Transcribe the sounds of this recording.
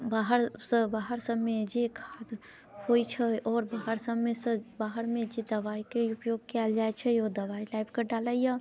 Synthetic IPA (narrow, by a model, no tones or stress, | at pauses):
baɦəɾsəbaɦəɾsəbmed͡ʒekʰad̪ | hojt͡ʃʰɛɔːɾbaɦəɾsəbmesə̃baɦəɾmed͡ʒed̪əbaikeupjoɡ̚kɛld͡ʒajt͡ʃʰɛod̪ɐbailajpkeɖaləija